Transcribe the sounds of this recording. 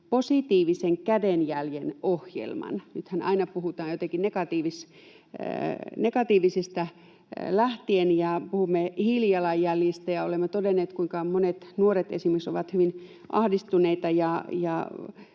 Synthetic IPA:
posit̪iːʋiseŋkædenjæljenohjḛlmɑ̰nnyt̪hænɑ̰inɑpuhut̪ɑːjot̪ekinnekɑt̪iːʋis | nekɑt̪iːʋisest̪æ | læht̪ienjɑpuhumːehiljɑlɑjjæljist̪æjɑolemːet̪odenːeːt̪kuiŋkɑmonet̪nuoret̪ḛsimykso̰ʋɑt̪hyʋin | ʔɑ̰hdist̪uneit̪ɑjɑjɑ̰

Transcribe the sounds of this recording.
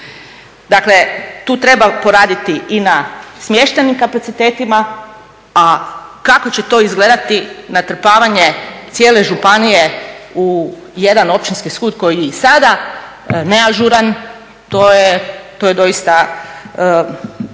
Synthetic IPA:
d̪akle̞t̪uːt̪ɾe̞bapo̞ɾaːd̪it̪iʔinasmje̞ʃt̪enimkapat̪sit̪e̞ːt̪ima | akako̞t͡ɕe̞t̪o̞ːizɡle̞d̪at̪inat̪ɾ̩paːʋaɲe̞t̪sjeːle̞ʒupanije̞u | jed̪ano̞pt͡ɕinskiskuːd̪ko̞jijeisad̪a | ne̞aʒuɾan | t̪ojet̪oje̞d̪o̞ist̪a

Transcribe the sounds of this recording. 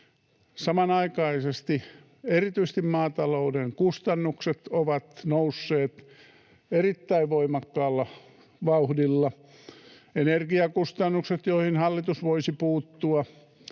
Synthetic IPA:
sɑmɑnɑikɑisest̪i | erit̪yis̆t̪immɑːt̪ɑloudeŋkust̪ɑnːukset̪oʋɑt̪nousːeːt̪ | erit̪ːæiʋʋoimɑkːɑːlːɑ | ʋɑuhdilːɑ | enerɡiɑkust̪ɑnːukset̪joihinhɑlːit̪usʋoisipuːt̪ːuɑ

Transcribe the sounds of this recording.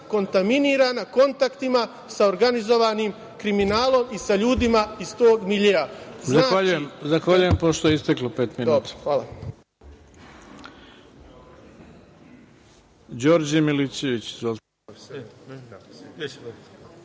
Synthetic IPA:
ko̞nt̪aminiːɾanako̞nt̪akt̪ima | sao̞ɾɡanizo̞ʋanim | kɾiminaːlˠo̞misaʎuːd̪imaist̪o̞ːɡmiʎeaznaaːaʎujemzaxʋaʎujempoʃt̪ojeist̪eklopeːt̪minob̪xʋaːla̰ | d͡ʑo̞ːɾd͡ʑimilisjeʋit͡ɕzo

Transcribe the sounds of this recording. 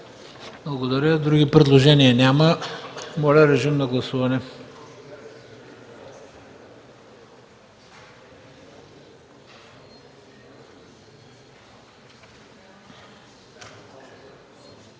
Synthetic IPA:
blˠɐɡod̪ɐɾʲəd̪ɾuɡʲipɾɛd̪lˠoʒɛniənʲaməmɔlʲəɾɛʒimnɐɡlˠɐsuvɐnɛ

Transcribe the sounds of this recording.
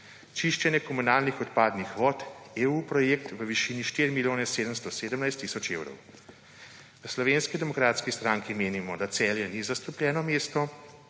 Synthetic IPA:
t͡ʃiʃt͡ʃɛnjɛkɔmunaːlnixɔt̪paːd̪nixʋɔːt̪eupɾɔjeːkt̪ʋəʋiʃiːniʃt̪iɾimiljoːnɛseːd̪əmst̪ɔseːd̪əmnajst̪ːisɔt͡ʃewɾɔ̰w | nəslɔʋeːnskid̪ɛmɔkɾaːt̪skist̪ɾaŋkimeːnimɔd̪at̪sɛːljɛnizast̪uplʲjɛːnɔmeːst̪ɔ

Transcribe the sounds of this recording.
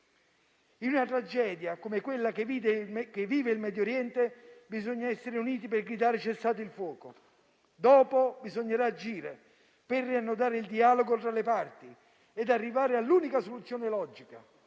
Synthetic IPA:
inunat̪ɾad͡ʒɛːd̪jakomekwelːakeid̪ekevːiːveilmɛd̪joɾjɛnt̪ebizoɲːaɛsːeɾeuniːt̪̬ipɪrɡɾid̪aːɾet͡ʃɛst̪aːt̪̬oilfwɔːko | d̪ɔːpobizoɲːeɾaːd͡ʒiːɾe | pɪrːianːʊd̪aːɾɪild̪iaːloɡot̪ɾalepart̪i | ɛd̪arːivaːɾɪalːuːnikasolut̪sːjoːnelɔd͡ʒika

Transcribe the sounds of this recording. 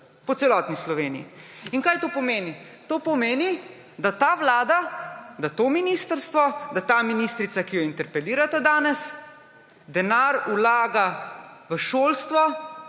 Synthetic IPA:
pɔt̪sɛlɔːt̪nislɔʋeːniiinkaːjt̪oːpɔmeːni | t̪oːpɔmeːni | d̪at̪aːʋlaːd̪ad̪at̪oːminiːst̪əɾst̪ʋɔd̪at̪aːminiːst̪ɾit̪sakijɔint̪ɛɾpɛliːɾat̪ad̪aːnɛs | d̪ɛnaɾulaːɡaʋəʃoːlst̪ʋɔ

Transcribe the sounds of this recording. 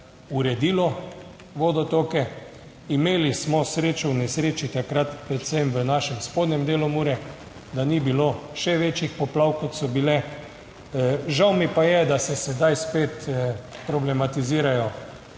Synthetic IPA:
uɾɛd̪iːlɔ | ʋoːd̪ɔt̪oːkɛ | imeːlismɔsɾeːt͡ʃɔwnɛsɾeːt͡ʃit̪akɾat̪pɾɛt̪sɛmʋənaʃɛmspoːd̪nʲɛmd̪eːlɔmuːɾɛ | d̪anibiloʃɛʋeːt͡ʃixpɔplawkɔt̪sɔbilɛ | ʒawmipajɛd̪asɛsɛd̪ajspeːt̪pɾɔblɛmat̪iziːɾajɔ

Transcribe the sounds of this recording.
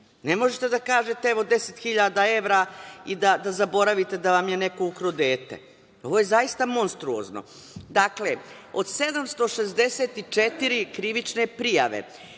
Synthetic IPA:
nemo̞ʒet̪e̞d̪akaːʒet̪eɛʋo̞d̪eset̪xiʎad̪ae̞ʋɾaid̪ad̪azabo̞ɾaʋit̪e̞d̪aʋamjeneko̞ukɾod̪eːt̪ḛ | o̞ʋojezaist̪amo̞nst̪ɾuo̰zno̰ | d̪akle | od̪̥se̞d̪amst̪o̞ʃezd̪eseːt̪it͡ʂet̪iɾikɾiʋit͡ʃne̞pɾija̰ʋḛ

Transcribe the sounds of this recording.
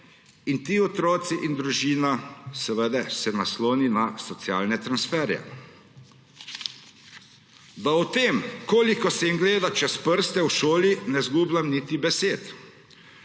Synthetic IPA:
int̪iːɔt̪ɾɔːt̪siʔind̪ɾuʒiːnasɛʋəd̪ɛsɛnasloːninasɔt̪sja̰ːlnɛt̪ɾansfɛːɾjɛ̰ | d̪aɔt̪eːmkoːlikɔsɛimɡleːd̪at͡ʃɛspəɾst̪ɛwʃoːlinɛzɡuːblamnit̪ibɛseːt̪

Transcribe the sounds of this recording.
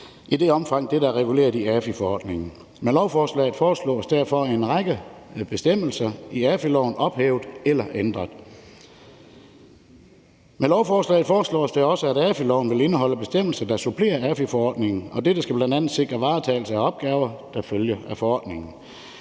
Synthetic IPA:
ʔide̝ɒ̽mfɑ̈ŋ̰d̥edæʁɛɡ̥ule̝̰ːɐðˠiæfəfɒɒ̰ːd̥ne̝ŋn̩ | menlɒʊfɒːslɛ̰ːð̩ˠfɒːslɔ̰ːsd̥æɐfɒ̽enʁɑ̈ɡ̥əb̥e̝sd̥em̰l̩sɐiæfəlɒʊn̩ɒ̽b̥heːʊð̥ˠelɐʔend̥ʁɐðˠ | melɒʊfɒːslɛ̰ːð̩ˠfɒːslɔ̰ːsd̥eɒ̽səæɾ̥æfəlɒʊn̩ʋe̝le̝nəɦɒ̽l̰əb̥e̝sd̥em̰l̩sɐd̥ɑ̈supʰle̝̰ːɐæfəfɒɒ̰ːd̥ne̝ŋn̩ɒ̽d̥e̝d̥ɑ̈sɡ̥æb̥lænd̥æn̰ð̩ˠse̝ɡ̥ʁɐʋɑ̈ːt͡sʰɛ̰ːl̩səæɒ̽b̥̚ɡ̥ɛːʊɐd̥ɑ̈føljəæfɒ̽ɒ̰ːd̥ne̝ŋn̩

